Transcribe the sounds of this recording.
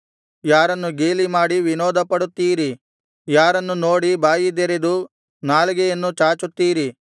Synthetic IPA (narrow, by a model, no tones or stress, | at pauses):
jaːɾɐnːuɡeːlimaːɽiʋinɔːd̪ɐpɐɽut̪ːiːɾi | jaːɾɐnːuno̞ːɽibaːjid̪eɾed̪u | naːliɡɛjɐnːut͡ʃaːt͡ʃut̪ːiːɾi